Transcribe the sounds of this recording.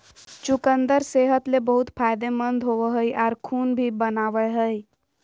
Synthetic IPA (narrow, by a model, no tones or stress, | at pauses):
t͡ʃukənd̪əɾseɦət̪lebəɦut̪pʰajd̪emənd̪ʱɦoʋəɦəjʔaɾkʰunbʱibənaʋəɦəj